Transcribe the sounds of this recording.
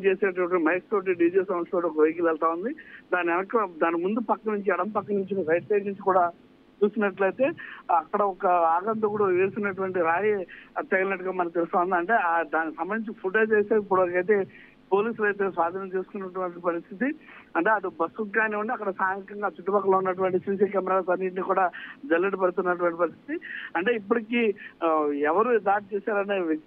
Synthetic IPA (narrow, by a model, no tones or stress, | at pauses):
t͡ʃeːseːʈɐʈɐimɐjkst̪oːʈ̬iɖiːd͡ʒesɐmɐʂoːʈːɔkɐʋɐjk̬ilɛlt̪aːund̪id̪aːnɛnɐkːɐd̪aːnimund̪upɐkːɐnuɲt͡ʃiɐɽɐmpɐkːɐnuɲt͡ʃikɐɾɐjʈsɐːknuɲt͡ʃikuːɽaː | t͡ʃuːsinɐʈlɐjt̪e̞ːɐkːɐɽɐɔkɐaːɡɐnd̪ɐkuɽɐʋeːsinɐʈ̬uʋɐɳʈiɾaːjit̪ɛɡɐlnɐʈːuɡaːmɐnɐk̚t̪elust̪aːund̪ɐɳʈe̞ːad̪aːniksɐmbɐnd̪iɲt͡ʃipʰuʈoːt͡ʃeːseːipːuɽok̬ɐjt̪̬e̞ː | po̞ːliːsulɐjt̪e̞ːsʋaːd̪ʱɐnɐmt͡ʃe̞ːsu̥kunːɐʈuʋɐɳʈipɐɾist̪ʰit̪iɐɳʈe̞ːɐʈ̪ubɐsuaːneuɳɖiɐkːɐɽɐsaːŋɡɐkɐŋɡaːt͡ʃuʈːubaːkːɐloːunːɐʈ̬uʋɐɳʈisiːs̬ikɛːmɛɾaːlsɐnːiʈ̬nikuːɽaːd͡ʒɐlːɐʈipɐɽut̪unːɐʈ̬uʋɐɳʈipɐɾist̪ʰi̥t̪iɐɳʈe̞ːipːuɽikiː | ɛʋɐɾud̪aːʈ̚t͡ʃɛːsaːɾɐneː